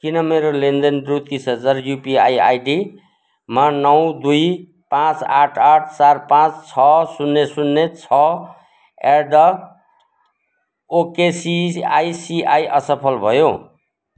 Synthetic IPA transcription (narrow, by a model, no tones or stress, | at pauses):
kinʌmeɾolend̪enrut̪isɦʌd͡zarjupia̰ja̰jɖi | mʌnʌw̃d̪uj | pãt͡saʈʰaʈʰsaɾpãt͡st͡sʰʌsunːesunːet͡sʰʌ | erɖʌ | okesiajsiajʔʌsʌpʰʌlbʱʌjo